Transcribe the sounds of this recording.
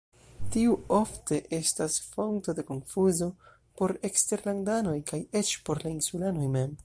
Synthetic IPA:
tiuo̞fte̞ʔe̞stasfo̞ŋkto̞de̞ko̞nfuzo̞ | po̞ɾe̞kste̞ɾlandano̞jkaje̞t͡ʃpo̞ɾlainsulano̞jme̞m

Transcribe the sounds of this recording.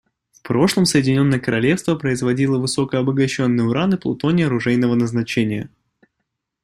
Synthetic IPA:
fpɾo̞ʂlˠəmsəjɪdʲɪnʲo̞nːəjəkəɾɐlʲe̞fst̪vəpɾəɪzvɐdʲilˠəvɨso̞kəɐbəɡɐɕːo̞nːɨjəʊɾanɨplˠʊ̰t̪o̞nʲɪɐɾʊʐɛjnəvənəznɐt͡ɕenʲɪjə̰

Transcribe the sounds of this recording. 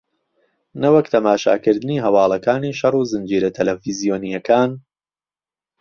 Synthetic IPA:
nɐwɐkt̪ʰɐmaːʃa̰ːkɨɾd̪ɨniːɦɐwɑːlˠɐkaːniːʃɐruːzɨnd͡ʒiːɾɐt̪ʰɐlɛfizijoːnijɐkʰaːn

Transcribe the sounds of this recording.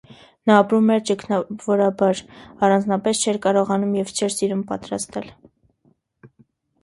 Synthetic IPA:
nɑːpɾumɛɾt͡ʃəkʰnɑvɔɾɑbɑɾɑrɑnd͡znɑpɛst͡ʃʰɛɾkɑɾɔʁɑnumjɛvt͡ʃʰɛɾsiɾumpɑ̰t̪ɾɑst̪ɛl

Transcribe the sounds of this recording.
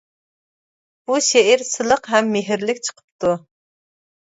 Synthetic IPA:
b̥uʃeɪɾsɨlˠəqɦɛmːeɦɪɾlɪkʲt͡ʃʰə̥qʰə̥p̚t̪u

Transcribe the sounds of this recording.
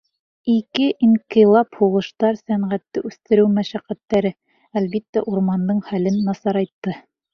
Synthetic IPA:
ikɘʔiŋqilˠɑphuʁɤ̆ʃt̪ɑɾsæɴʁæt̪ːɘʔʉθt̪ɘ̆ɾɘwmæʃæqæt̪ːæɾɘ | ælβit̪ːæʔuɾmɑnd̪ɤɴχælɘnːɑsɑɾɑjt̪ːɤ

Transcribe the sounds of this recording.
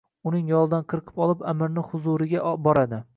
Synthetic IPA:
ʊnɪŋjɒlˠd̪anqʰɨɾqʰɨ̥pɒlˠɪpamɪɾnɪhʊzʊɾɪɡʲabɒɾad̪ɪ

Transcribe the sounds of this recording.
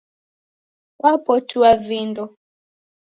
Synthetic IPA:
wapɔtʰuavindɔ

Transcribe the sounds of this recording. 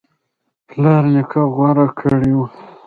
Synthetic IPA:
plɑɾnikʰaɣwaɾakʰəɽiu

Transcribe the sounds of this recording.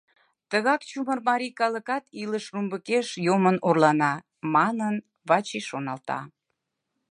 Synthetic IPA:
t̪əɣɑkt͡ɕumərmɑɾʲikɑləkɑt̪iləʃrumbəkeʃjomənorlɑnɑ | mɑnən | βɑt͡ɕiʃonɑlt̪ɑ̰

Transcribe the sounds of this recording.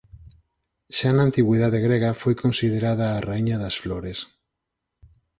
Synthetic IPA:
ʃanaːnt̪iɣwiðaðeɣɾeɣafojkonsiðeɾaðaːraiɲaðɐsfloɾes

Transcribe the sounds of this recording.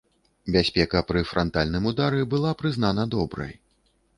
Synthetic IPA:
bʲasʲpʲɛkɐpɾɨfɾɔnt̪alʲnɨmud̪aɾɛbɨlˠapɾɨzn̪anɐd̪ɔbɾɐ̰j

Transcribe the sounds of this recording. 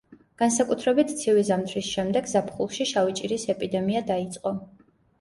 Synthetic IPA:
ɡ̥ansakʼut̪ʰɾɛbit̪ʰt̪sʰivizamt̪ʰɾisʃɛmd̪ɛɡzapʰχulˠʃiʃavit͡ʃʼiɾisɛpʼid̪ɛmiad̪ait̪sʼqʼɔ

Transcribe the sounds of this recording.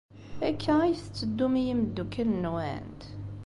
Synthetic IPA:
ækʰːæjθt͡sːəd̪ːumijiməd̪ːukːəlnwæ̰nt̪

